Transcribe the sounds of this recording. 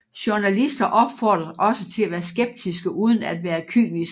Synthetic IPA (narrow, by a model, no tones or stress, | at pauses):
ɕuɐnælisd̥ɐʔɒ̽b̥fɒːd̥ʁɐðˠʔɒ̽sət͡sʰe̝læʋæːɐsɡ̥eb̥̚d̥ʰisɡ̥əʔuːð̞ˠn̩æd̥ʋæːɐkʰyŋlis